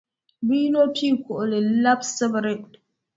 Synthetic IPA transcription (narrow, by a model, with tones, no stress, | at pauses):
bi˦no˦pʰiː˦kʷo˨ʔle˨la˦bsə˦bɾe˦